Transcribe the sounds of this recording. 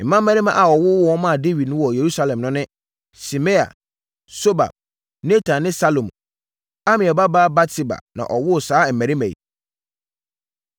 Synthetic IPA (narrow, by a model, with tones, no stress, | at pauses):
m̩˨mã˦mː˦æ̃˦ɾĩ˦mã̰˨ʔa˨ɔ˨wʊ˦wɔ˦ɔ˦mã˦˨de˦wi˨d̚nʊ̃˦wɔ˨je˨ɾu˦sa˦lɛ̃˨mnʊ̃˦nɪ̃˦ | si˨me˦a̰˨ | so˦ba̰˨b̚ | ne˦tʰa˨nɪ̃˦sa˦lo˨m˨ | a˦mɪ̃˨ɛ˨ba˦baː˦ba˦tʰi˦ba̰˨nã̰˨ʔɔ˨wʊ˦˨saː˦˨m̩ː˨æ̃˨ɾi˦mæ̃˨ḭ˨